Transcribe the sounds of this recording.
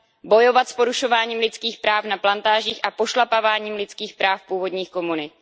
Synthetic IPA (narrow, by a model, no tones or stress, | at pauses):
bo̞jo̞vat̪spo̞ɾuʃo̞vaːɲiːmlɪt͡skiːxpɾaːfnaplant̪aːʒiːxʔapo̞ʃlapavaːɲiːmlɪt͡skiːxpɾaːfpuːvo̞dɲiːxko̞munɪt̪